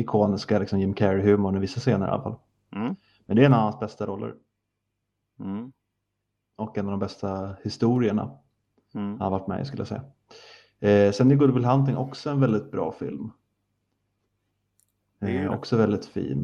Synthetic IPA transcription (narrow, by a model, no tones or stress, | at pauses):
ɪkʰoːnɪskalɪksɔmjɪmkʰɛɾɪɦʉ̟ːmʊmɛvɪsːaseːnə̰ɾʔa̰lafal | mɛnd̪ɛɛnːaansbɛst̪aɾɔlːə̰ɾ | ʔɔkɛnːavd̪ɔmbɛst̪ahɪst̪uːɾɪəɳa̰ | hanavaʈːmɛ̰skɵləjasɛ̰jːa | sɛnɪɡɵd̪bɪlɦant̪̬ɪŋʔɔksɔɛnvɛld̪ɪt̪̚bɾɑ̰ːfɪ̰lm | ɔ̰ksɔvɛld̪ɪt̪fḭːn